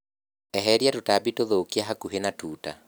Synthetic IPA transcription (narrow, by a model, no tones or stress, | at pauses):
ɛɦɛɾjatotabitoðoːkiaɦakuɦenatuːta̰